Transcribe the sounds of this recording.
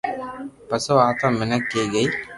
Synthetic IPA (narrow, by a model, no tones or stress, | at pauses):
pɐsoaːt̪ɐmːenɐkːeːɡɐj